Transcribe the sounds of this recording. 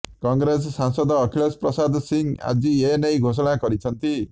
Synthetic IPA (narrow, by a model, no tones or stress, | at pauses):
kɔŋɡɾes̬ɔsaŋsɔd̪ɔːkʰiɭɔspɾɔsad̪ʱɔsiŋa̰d͡ʒienejɡʱos̬ɔɽ̃akɔɾit͡ʃʰɔnt̪i